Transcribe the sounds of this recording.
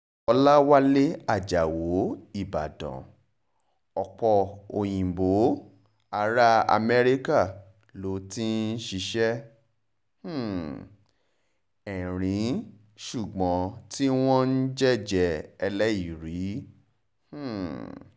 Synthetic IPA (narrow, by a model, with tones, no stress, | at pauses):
ɔ˧la˦wa˦le˦a˦˨d͡ʒa˨wo˨˦i˦˨ba̰˨dɔ̰̃˨ | ɔ˨k͡pɔ˧o˨j̃ĩ˨bo˨˦ | a˨˦ɾa˦a̰˧mɛ˦ɾi˦ka˦˨ | lo˨˦ti˦n̩˦ʃi˧ʃɛ˦ | h̩˦˨ | ɛ˨ɾ̃ĩ˨˦ | ʃu˦˨ɡ͡bɔ̃˨˦ti˦w̃ɔ̃˦n̩˦d͡ʒɛ˦˨d͡ʒɛ˧ɛ˧lɛ˦i˨ɾi˨˦ | h̩˦˨